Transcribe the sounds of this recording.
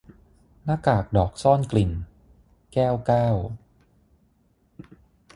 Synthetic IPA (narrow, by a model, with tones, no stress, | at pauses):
naː˧˥˩kaː˨˩k̚dɔː˨˩k̚sɔː˥˩nkli˨˩n | kɛː˥˩wkaː˥˩w